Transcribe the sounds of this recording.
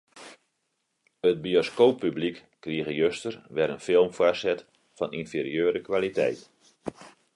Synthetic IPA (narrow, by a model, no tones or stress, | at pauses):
əd̚bioskoːpːyblikːriəɣəjøstərʋɛɾənfɪlˠmfwasɛt | fɔninfiɾiøːɾəkʋalitɛ̰jt